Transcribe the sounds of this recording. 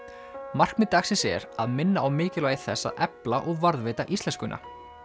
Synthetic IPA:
mar̥kmɪt̪ːaxsɪnsɛ̰ɾaðmɪnːaawmɪːcɪlaːɣɪθɛsːa̰ʔɛplaʔɔɣvaɾðvɪːt̪aʔist̪ɛnskʏnʔa̰

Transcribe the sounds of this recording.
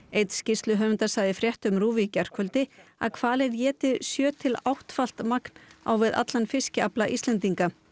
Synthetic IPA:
ejt̪scɪst̪lʏɦœːvʏnt̪asaːjðɪfɾjɛht̪ʏmɾuːvicar̥kʰœlt̪ɪa̰ðkʰv̥aːlɪðjɛːt̪ɪðsjœːt̪ʰɪlawht̪fal̥t̪makn̥a̰wvɪða̰t̪lanfɪscɪaplaʔist̪lɛnt̪iŋka

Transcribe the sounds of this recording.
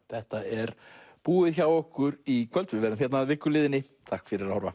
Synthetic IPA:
θɛht̪aɛɾpuːɪðçawɔhkʏɾikʰvœlt̪vɪvɛːɾʏmçɛt̪naːðvɪkːʏlɪːðɪnːɪ | t̪ʰahkfɪɾɪɾahɔɾva̰

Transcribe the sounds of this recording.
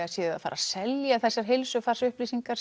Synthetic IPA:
asjɛːa̰fa̰ːɾa̰sɛljaθɛsːaɾ̥ɦɪlsʏfaɾ̥sʏhpliːsiŋkaɾ

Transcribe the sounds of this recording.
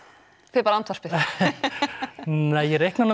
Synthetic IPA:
fɪpaɾant̪vḁɾspɪ | nɛːjɛɾejhknana

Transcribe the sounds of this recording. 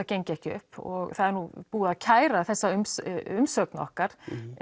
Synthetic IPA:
acejɲcɪɛhcɪʏ̰hpɔ̰ɣθaðɛɾnupuːðaðcʰaːjɾaθɛsːaʏmʏmsœknaɔ̰hkaɾ̥

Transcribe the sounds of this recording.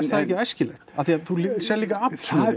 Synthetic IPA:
ɾ̥t̪θaðɛhçcːɪajscɪlɛxt̪aθiaðθulisjɛɾliːkaapn̥smɪ

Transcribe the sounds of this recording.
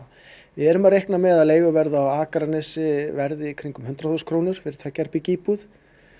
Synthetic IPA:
vɪɛɾʏmaɾejhknamɛɣðaðleːjɣʏvɛɾðaːwaːkaɾanɛsɪvɛɾðɪikʰɾiŋkʏmhʏnt̪ɾaθʏskʰɾoːwnʏɾ̥fɪɾɪɾt̪ʰfaːcɛɾ̥pɪciːpuð

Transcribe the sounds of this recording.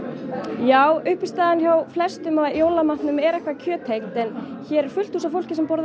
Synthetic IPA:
jaːwʏhpɪst̪aːðançjawflɛst̪ʏmaðjoːwlamat̪nʏmɛɾɛhkvacʰœːt̪ʰejkt̪ɛnçɛɾɛɾ̥fʏl̥t̪huːsafowl̥cɪsɛmpɔɾð

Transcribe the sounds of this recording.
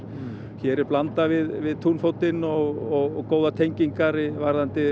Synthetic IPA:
çɛːɾɪɾplant̪avɪðvɪðt̪ʰunfowt̪ɪnɔɣɔɣkoːwðat̪ʰejɲciŋkaɾɪvaɾðant̪ɪ

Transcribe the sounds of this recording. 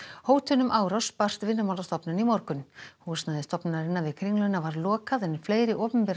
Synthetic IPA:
hoːwt̪ʰʏnʏmʔaːwɾɔspar̥t̪vɪnːʏmawlast̪ɔpnʏnimɔɾkʏnhuːsnaːðɪst̪ɔpnnaɾɪnːavɪðkʰɾiŋlœnavaɾlɔːkaðɛnːɪɾ̥fleːjɾɪʔɔːpʏmpɛɾa

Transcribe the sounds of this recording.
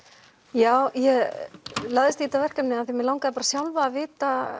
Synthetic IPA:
jaːwjɛɣlaːðɪst̪iːt̪avɛr̥kamnɪaθimɛlawŋkaðɪpaːɾasjawlvaːðvɪːt̪a

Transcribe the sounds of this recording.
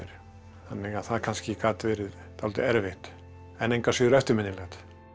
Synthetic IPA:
ɪɾ | θanːɪɣaðθaðɾkʰanscɪkaːt̪vɛːɾɪð | t̪ʰawlt̪ɪ̰ɛɾvɪht̪ | ɛnejŋkasʏːðʏɾɛft̪ɪɾmɪnːɪlɛɣt̪

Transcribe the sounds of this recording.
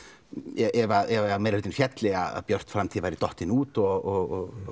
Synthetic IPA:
jɛɛʋaɾɛamɛɾd̪ɪnfjɛt̪ʰlɪa̰a̰b̥jœɾ̥t̪fɾamt̪ʰiːʋaɾɪd̪ɔht̪ɪnuːt̪ɔ

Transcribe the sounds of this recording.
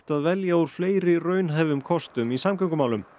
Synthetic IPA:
t̪aðvɛljauɾ̥fleːjɾɪrœːɥnɦaːjvʏmkʰɔst̪ʏmisamkœŋkʏmaːwlʏm

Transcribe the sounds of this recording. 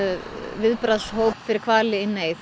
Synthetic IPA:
vɪðpɾaðsɦoːwpfɪɾɪɾkʰv̥aːlɪɪnːeːjθ

